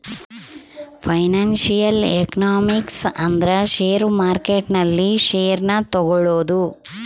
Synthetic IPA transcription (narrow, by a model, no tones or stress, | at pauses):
pʰɐjnaːnʃijɐlḛknaːmiksɐnd̪ɐɾɐʃeːɾmaːɾkeʈnɐlːiʃeːɾnɐt̪ɔɡɔɭoːd̪u